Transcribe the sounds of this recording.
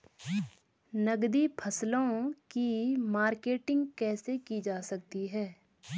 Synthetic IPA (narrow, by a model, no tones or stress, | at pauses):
nəɡd̪ipʰəslõkimaːɾkeːʈɪ̃ŋɡkɛːsekid͡ʒaːsək̚t̪iɦɛː